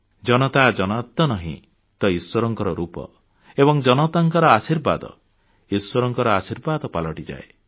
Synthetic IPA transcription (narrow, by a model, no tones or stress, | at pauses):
d͡ʒɔnɔt̪ad͡ʒɔnat̪ːɔnɔɦḭ̃ | t̪ɔiswɔɾɔŋkɔɾɔɾupɔ̰ | ebɔŋd͡ʒɔnɔt̪aŋkɔɾɔasiɾba̰d̪ɔ̰ | iswɔɾɔŋkɔɾɔasiɾbad̪ɔpalɔʈid͡ʒa̰e